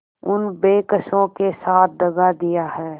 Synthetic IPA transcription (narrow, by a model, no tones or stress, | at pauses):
ʊnbeːkəʃõkesaːt̪̚ʰd̪ɐɡad̪ijaɦɛː